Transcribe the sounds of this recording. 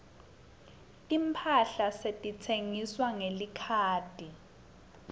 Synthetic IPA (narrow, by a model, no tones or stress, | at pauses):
tʼimpʰaɬasetʼitʰeŋiswaŋelikʰaːd̥ʱi